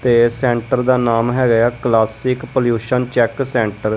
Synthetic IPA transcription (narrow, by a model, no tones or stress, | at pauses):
t̪eːsɛ̃ːɳʈəɾd̪aːnaːmɦɛːɡəjaːklaːsɪkpoljuːʃənt͡ʃɛːksɛ̃ːɳʈəɾ